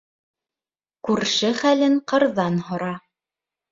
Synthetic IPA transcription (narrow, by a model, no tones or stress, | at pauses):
kʉɾʃɘχælɘɴqɤ̆ɾðɑnhŏɾɑ